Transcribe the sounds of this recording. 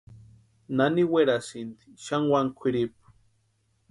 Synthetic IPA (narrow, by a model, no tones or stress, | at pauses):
naniweɾasind̪i̥ʃaŋwaŋkʷʰiɾip̚ḁ